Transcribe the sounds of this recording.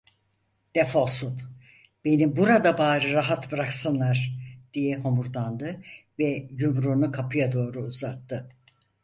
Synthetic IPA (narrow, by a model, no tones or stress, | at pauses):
d̪̥efosun | b̥e̞nibuɾad̪abaːɾɯɾaɦat̪bɯɾaksɯnlˠaɾd̪̥ijɛɦo̞muɾd̪and̪ɯvɛjumɾunukʰapʰɯjad̪o̞ːɾuuzat̪ʰːɯ